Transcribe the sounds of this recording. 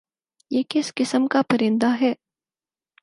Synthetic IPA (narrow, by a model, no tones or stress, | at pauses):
jeːkɪskɪsəmkapɐɾɪ̃nd̪aɦɛː